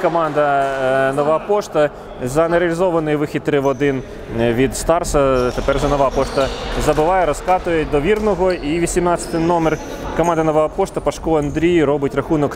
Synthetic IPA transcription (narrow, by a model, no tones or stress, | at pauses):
kɔmɑnd̪ɐnɔʋɑpɔʂt̪ɐ | zɐnɛɾeɐlʲizɔʋɐnɔjʋɪxʲit̪ɾɪʋɔd̪ɪn | ʋʲid̪st̪ɑrsɐt̪epɛrʒɛnɔʋɑpɔʃt̪ɐzɐbɪʋɑjɛɾɔskɑt̪ʊjɛd̪ɔʋʲirnɔɦɔiʋʲisʲimnɑt͡sʲsʲɐ̥t̪ɪjnɔmɛr | kɔmɑnd̪ɐnɔʋaɐpɔʃt̪ɐpɐʃkɔɐnd̪ɾʲijɾɔbɪtʲrɐxunɔk